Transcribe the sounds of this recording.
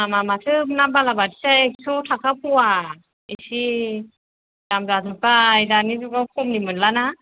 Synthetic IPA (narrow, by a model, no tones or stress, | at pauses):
amamatʰɯpnambalabadi̥saeksʰɔtʰakʰapʰuwa | isi | damzazɯpajdanizuɡawkʰɔmnimɯnlana